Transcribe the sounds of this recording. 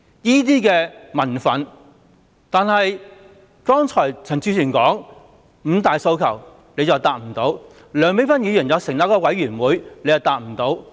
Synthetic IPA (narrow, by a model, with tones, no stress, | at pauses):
jiː˥t̪̬iː˥kɛː˧mɐ˨˩nfɐ˨˥n | t̪aː˨nɦɐ˨j | kɔː˥ŋt͡ʃʰɔː˨˩jt͡sʰɐ˨˩ŋt͡sʰyː˧˥sʰyː˨˩nkɔː˨˥ŋ | m̩ː˨˧t̪aː˨jso˧wkʰɐ˨˩w | ne˨˧jt͡sɐ˨˩wt̪aː˨˩t̚m̩˨˩t̪o˨˥w | lœː˨˧˥ŋme˨˥fɐ˥njyː˧jy˨˩njɐ˨˧wsɪ˨˩ŋnaː˨˥kɔː˧wɐ˨˥jɥyː˨˩nwuː˨˧jne˨˧jɐ˨wt̪aː˨t̚m̩˨˩t̪o˨˥w